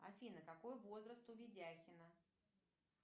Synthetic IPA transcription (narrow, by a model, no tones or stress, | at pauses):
a̰fʲinəkakojʊvo̞zrəst̪ʊvʲɪdʲaxʲɪnə